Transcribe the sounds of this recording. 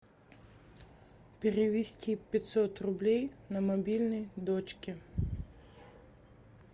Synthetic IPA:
pʲeɾeʋʲisʲtʲipʲit̪sɔt̪rʊblʲɛjnɐmɔbʲilʲnijd̪ɔt͡ʃkʲɪ

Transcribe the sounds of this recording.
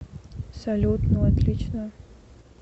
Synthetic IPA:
psɐlʲut̪nəɐt̪lʲit͡ɕnə

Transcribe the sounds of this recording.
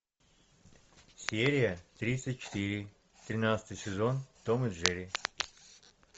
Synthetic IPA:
sʲeɾʲɪjət̪ɾʲit̪sɨt̚ʲt͡ʃɪ̥t̪iɾʲɪ | t̪ɾʲɪnat̪sə̥t̪ɨjsʲɪzont̪omɨd̪ʐɛɾʲɪ

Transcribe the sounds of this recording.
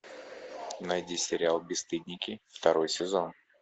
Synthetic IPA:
nɐjdʲisʲɪɾʲɪalˠbʲɪst̪ɨd̪ʲnʲɪkʲɪft̪ɐɾo̞jsʲɪzo̞n

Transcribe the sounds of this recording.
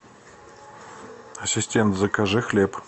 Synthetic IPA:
ɐsʲɪsʲtʲent̪zəkaʐɨxlʲep

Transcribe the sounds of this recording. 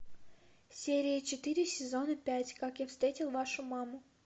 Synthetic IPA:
sʲeɾʲɪjət͡ɕɪt̪ɨɾʲɪsʲɪzo̞nəpʲætʲkakjafst̪ɾʲetʲɪlˠvaʂʊmamʊ

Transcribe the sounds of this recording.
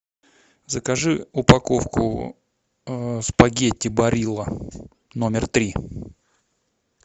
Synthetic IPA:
zəkɐʐɨʊpɐko̞fkʊ̰ | spɐɡʲetʲːɪbɐɾʲilˠə | no̞mʲɪrt̪ɾʲi

